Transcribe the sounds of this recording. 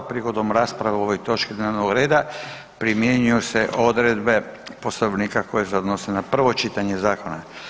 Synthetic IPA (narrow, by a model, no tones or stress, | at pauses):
pɾiɡo̞d̪omɾaːspɾaʋeoʋojt̪o̞t͡ʃkid̪neːʋnoɡɾe̞ːd̪a | pɾimjeɲujuseʔo̞d̪ɾed̪be̞po̞st̪aoʋnikako̞jeseod̪nosenapr̩ʋo̞t͡ʃit̪aɲe̞zaːko̞na